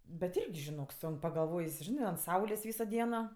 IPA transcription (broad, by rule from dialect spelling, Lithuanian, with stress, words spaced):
bʲɛt ˈɪrʲɡʲɪ ʒʲɪˈnoːk ˈsʊŋk pɐɡɐlˠˈʋoːjs ˈʒʲɪnɜ ɐnt ˈsɐʊlʲeːs ˈʋʲiːsoː ˈdʲiɛnoː